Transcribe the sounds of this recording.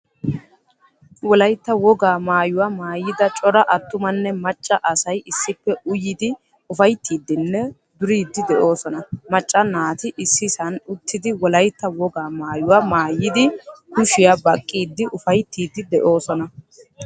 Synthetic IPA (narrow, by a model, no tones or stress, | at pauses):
wɔlɐjt̪ːɐwɔɡaːmaːjʊwamaːjːɪd̪ɐt͡ʃʼɔɾɐʔɐt̪ːʊmɐnːɛmɐt͡ʃʼːɐʔɐsɐjɪsːɪpːɛʊjɪd̪ɪ | ʊfɐjt̪ːiːd̪ːɪnːɛ | d̪ʊɾiːd̪ːɪd̪ɛʔo̞ːsɔnɐmɐt͡ʃʼːɐnaːt̪ɪʔɪsːɪsɐnʊt̪ːɪd̪ɪwɔlɐjt̪ːɐwɔɡaːmaːjʊwamaːjːɪd̪ɪkʊʃɪjabɐkʼːiːd̪ːɪʔʊfɐjt̪ʰːiːd̪ːɪd̪ɛʔo̞ːsɔnɐ